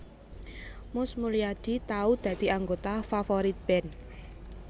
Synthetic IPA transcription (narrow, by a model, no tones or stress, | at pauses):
mʊsmulijad̪̥i̤t̪aud̪̥ä̤d̪̥iaŋɡot̪afafoɾit̪̚b̥ɛn